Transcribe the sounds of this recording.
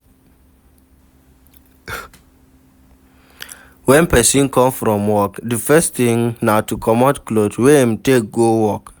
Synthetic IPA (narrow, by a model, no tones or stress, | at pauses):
wɛ̃npɛsĩnkʰɔ̃mfɹɔ̃mwɔkdəfɛst̪ĩŋnatukʰɔmɔtklodwẽmtek̚ɡowɔk